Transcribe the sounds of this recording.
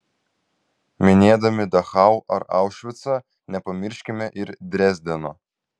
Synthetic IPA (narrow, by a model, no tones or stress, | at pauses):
mʲɪnʲeːd̪ɐmʲɪd̪ɐxɑˑʊʔɐɾɑ̰ʊʃʲʋʲɪt̪sɐ | nʲɛpɐmʲɪɾʲʃʲkʲɪmʲɛʔɪɾd̪ʲɾʲɛzʲd̪ʲɛno̰